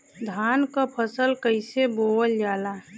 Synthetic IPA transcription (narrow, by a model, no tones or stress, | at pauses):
d̪ʱaːnkapʰəsəlkəɪseboːwəld͡ʒaːlaː